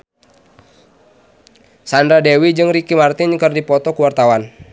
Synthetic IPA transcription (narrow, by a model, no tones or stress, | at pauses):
sandɾadɛwid͡ʒɨŋrikimart̪ɪnkɨrdipɔt̪ɔkuwart̪awan